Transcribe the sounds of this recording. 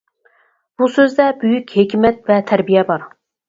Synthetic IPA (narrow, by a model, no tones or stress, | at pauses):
b̥usøzd̪ɛbyjykʲhekʲmɛt̪vɛt̪ʰæɾbijɛbɑɾ